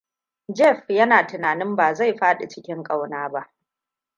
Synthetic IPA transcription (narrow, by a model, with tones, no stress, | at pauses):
d͡ʒɛ˦˨ɸjɐ˦naː˨tɪ˨naː˨nɪ˦mbaː˨za˦˨jɸaː˦ɗe˨t͡ʃɪ˦kʲɪ˦ŋkʼa˦wnaː˦ba˦ʔ